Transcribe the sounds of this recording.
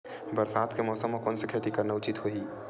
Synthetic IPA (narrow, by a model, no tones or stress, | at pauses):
bəɾsaːd̪kemɔːsəmːɔkoːnsekʰet̪ikəɾneʊt͡ʃit̪ɦoi